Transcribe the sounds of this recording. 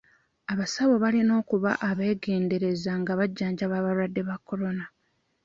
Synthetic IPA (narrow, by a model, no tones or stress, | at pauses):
aβasaβo̞βalino̞ːkuβa̰ʔaβe̞ːɡe̞ːnde̞ɾe̞zaŋɡaβaɟːaːɲɟaβaːβaɾwadːe̞βakːo̞ɾo̞na